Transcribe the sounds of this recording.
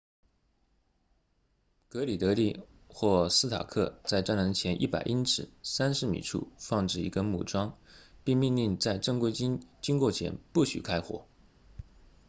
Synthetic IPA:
kɤ˧˥li˨˩t̪ɤ˧˥lḭ˥˧ | xwɔ˥˩sɹ̩˥t̪ʰa̰˨˩kʰɤ˥˧t͡sa˥˧ɪʈ͡ʂa˥na˧˥ŋt͡ɕʰjɛ˧˥nʔḭ˥˩pa̰˨˩ɪʔi˥nʈ͡ʂɻ̩˨˩˦sa˥nʂɻ̩˧˥mḭ˨˩ʈ͡ʂʰṵ˥˧fɑ˥˧ŋʈ͡ʂɻ̩˥˩ḭ˧˥ɡə˧mṵ˨˩ʈ͡ʂwɑ˥ŋpi˥˧ŋmi˥˧nli˥˧ŋt͡sa˥˧ɪʈ͡ʂɤ˥˧ŋkwe˥ɪt͡ɕi˥nt͡ɕi˥ŋkwɔ˥˩t͡ɕʰjɛ̰˧˥npu˥˩ɕy̰˨˩kʰa˥ɪxwɔ̰˧˩˦

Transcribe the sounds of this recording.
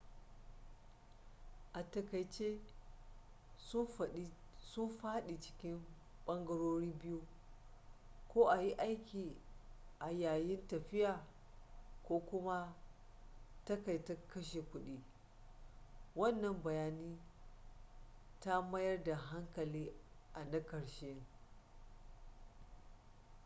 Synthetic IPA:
ʔa˨tɐ˨kɐ˨jt͡ʃe˦ | sʊ˦mɸaː˦ɗi˨t͡ʃɪ̥˦kʲɪ˦m | ɓɐ˦ŋɡɐ˦ɽoː˦ɾiː˦bɪ˦ju˦ | kʷoː˦ʔa˨ji˦ʔa˦jkʲiː˨ʔa˨jaː˨jɪ˦ntɐ˨ɸɪ˦jaː˨ | kʷoː˦kʷʊ˦ma˦ | tɐ˦ka˨jtɐ˦kɐ˦ʃe˨kʷʊ˦ɗi˦ | wɐ˦nːɐ˨mbɐ˨jaː˦niː˦ | ta˦mɐ˦jɐ˦rda˨ɦa˦ŋkɐ˨liː˦ʔa˨nɐ˦kɐ˨ɽʃe˦

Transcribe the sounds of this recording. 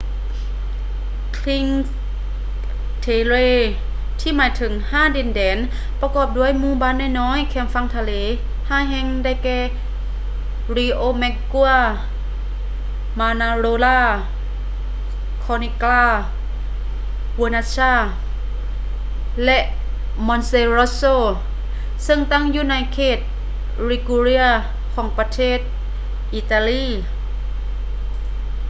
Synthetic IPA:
kʰli˧˥ŋ | t̪ʰeː˧leː˧˥˨ | t̪ʰiː˧˩maː˨˦jt̪ʰɯ˩˦ŋhaː˧˥˨de˧˩ndɛː˨˦n | pa˧kɔː˧˩p̚du˧˥˩ə˨jmuː˧˥˨baː˧˥˨nːaː˧˥˨jnɔː˧˥˨jkʰɛː˧˩mfa˧˥˨ŋt̪ʰa˧leː˨˦ | haː˧˥˩jɦɛː˧˥˨ŋda˧˩jkɛː˧˩ | ɾiː˧ʔoː˧˨mɛ˧ku˧a˧˨ | maː˧naː˧ɾoː˧laː˧˩ | kʰɔː˧ni˧klaː˧˩ | wu˧naː˧t͡ɕʰaː˧˥˩ | lɛ˧ʔ | mɔ˧nse˧ɾo˧˦soː˧˨ | sɤ˧˨ŋt̪a˥˨ŋjuː˧˩na˧˥jkʰeː˧˩t̪̚ | ɾi˧˩ku˧ɾi˧˥a˧ | kʰɔː˩˦ŋpa˧t̪ʰeː˥˩t̪̚ | ʔiː˧˩t̪aː˧liː˧˨

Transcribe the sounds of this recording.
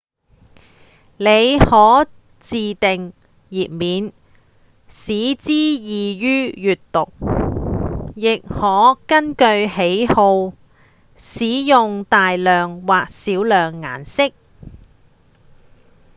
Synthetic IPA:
le˨˧jhɔː˨˥ | t͡siː˨t̪ɪ˨ŋ | jiː˨˩p̚miː˨˧n | siː˨˥t͡siː˥jiː˨jyː˥jyː˨tt̪ʊ˨k̚ | jɪ˨k̚hɔː˨˥kɐ˥nkɵ˧ɥhe˨˥jho˧w | siː˨˥jʊ˨ŋt̪aː˨jlœː˨˩ŋwaː˨k̚siː˨˥wlœː˨ŋːa̰ː˨nsɪ˥k̚

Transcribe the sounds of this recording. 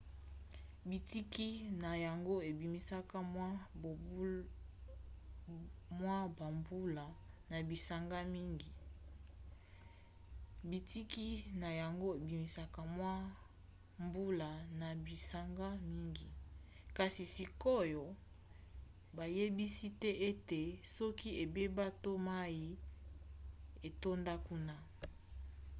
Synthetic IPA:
bi˨ti˦ki˦na˨ja˨ŋɡo˦e˨bi˨mi˦sa˦ka˦mwa˦˨ | mwa˦ba˨mbu˦la˨na˨bi˨sa˨ŋɡa˦mi˦ŋɡi˨ | bi˨ti˦ki˦na˨ja˨ŋɡo˦e˨bi˨mi˨˦sa˦ka˦mwa˦ | mbu˦la˨na˨bi˨sa˨ŋɡa˦mi˦ŋɡi˨ | ka˨si˨si˨ko˦jo˨ | ba˨je˦bi˦si˦tɛ˦ʔe˦te˨sɔ˦ki˦e˨be˦ba˦to˦ma˦ji˦ | e˨to˦nda˦ku˦na˦

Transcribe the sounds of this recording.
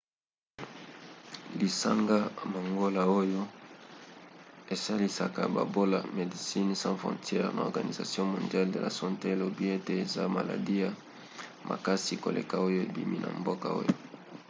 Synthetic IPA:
li˨sa˦ŋɡa˦˨ma˨ŋɡo˦la˨o˦jo˦ | e˨sa˦li˨sa˨ka˨ba̰˨bo˦la˨me˨di˨si˦nsɑ̃˦fχɔ̰̃˨tjɛ˦ʁna˨ɔ̰˨ɡa˨ni˨za̰˨sjɔ̃˦mɔ̃˨ndja˦ldḛ˨la̰˨sɔ̃˦nte˦˨lo˨bi˦e˦te˨e˨za˦ma˨la̰˨di˦ja˨ | mʔa̰˨ka˦si˨ko̰˨lḛ˨ka˦o˦jo˦ḛ˨bḭ˨mḭ˦nʔa̰˨mbo˦ka˨o̰˦jo˦

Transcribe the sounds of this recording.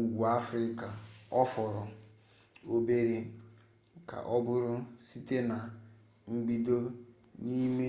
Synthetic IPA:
u˨ɡʷu˨a˦fɾɪ˦ka˨ɔ˦fɔ˨ɾɔ˨ | o˦be˦ɾe˦ | ka̰˨ʔɔ˦bʊ˦ɾʊ˦si˦te˦na˨ | ŋ͡m̩˦ɡ͡bi˦do˦ | ni˦me˦

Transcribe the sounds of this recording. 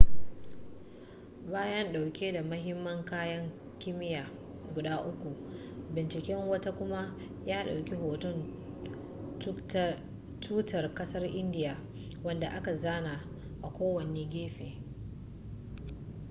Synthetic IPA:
baː˦jɐ˦nɗa˨wkʲeː˦da˨mɐ˦ɦɪ˦mːɐ˦ŋkaː˦jɐ˦ŋ | kʲɪ˦mɪ˦jaː˨ | ɡʷʊ˨daː˦ʔʊ˦kʷu˨ʔbɪ˨nt͡ʃɪ˨kʲɛ˦ŋwɐ˦ta˦kʷʊ˦ma˦ | jaː˦ɗa˨wkʲi˦ɦoː˨tʊ˦n | t | tʰuː˦tʰɐ˨rkɐ˦sɐ˦rʔɪ˦ndɪ˦jaː˨ | wɐ˦nda˨ʔa˦ka˨zaː˦na˨ | ʔa˨kʷoː˦wɐ˨neː˦ɡʲeː˦ɸeː˨

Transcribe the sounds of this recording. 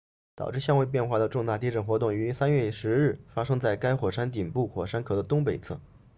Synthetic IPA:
t̪ɑ˨˩ʊʈ͡ʂɻ̩˥˧ɕjɑ˥ŋwɪp̬jɛ˥˧nxwa˥˩d̪ə˩ʈ͡ʂʊ˥˧ŋt̪a˥˧˩t̪̬i˥ʈ͡ʂə˨˩nxwɔ˧˥t̪ʊ˥˩ŋy˧˥sa˥nɥɛ˥˩ʂɻ̩˧˥ɻɻ̩˥˩fa˥ʂɤ˥ŋt͡sa˥˩ɪka˥ɪxwɔ˨˩ʂa˥nt̪̬i˨˩npu˥˩xwɔ˨˩ʂa˥nkʰɤ˨˩d̪ə˦t̪ʊ˥ŋpe˨˩ɪt͡sʰɤ̰˥˩

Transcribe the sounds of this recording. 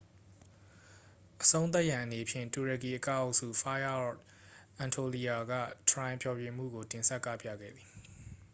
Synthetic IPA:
ʔəsõ˦ʊ̃t̪a˦ʔjã˨ʔəne˨pʰjɪ̃˦˨ntu˨ɹə˨ki˨ʔəka˦˨ʊ˦sṵ˦˨fa˦a˦ɔ˦˨t | ʔã˨ntʰo˨li˨a˨ɡä̰˦˨t̪ʰəɹã˨ɪ̃mpʰjɔ˨bjẽ˨m̥ṵ˦˨ɡo˨tɪ̃˨nsɛ˦ʔkːä̰˦˨pjä̰˦˨ɡɛ̰˦˨d̪ði˨

